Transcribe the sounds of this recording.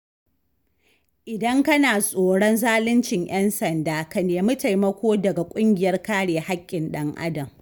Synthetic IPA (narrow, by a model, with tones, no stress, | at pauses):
ʔɪ˨dɐ˦ŋkɐ˦naː˨sʼoː˨ɽɔ˦nzaː˦lɪ˦nt͡ʃɪ˨ŋj̰ɛ˦nsɐ˨ndaː˦ka˨neː˨mʊ˦ta˨jmɐ˦kʷoː˦dɐ˨ɡa˨kʷʼʊ˦ŋɡʲɪ˨jɐ˦rkaː˦ɽeː˨ha˦kʲʼːɪ˨nɗɐ˦ŋʔa̰˦dɐ˨m